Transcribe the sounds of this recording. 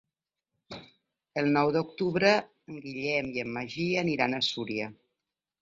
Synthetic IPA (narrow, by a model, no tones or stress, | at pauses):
əlˠnɔwðukt̪uβɾə | əŋɡiʎɛmiəmːəʒiəniɾanəsuɾiə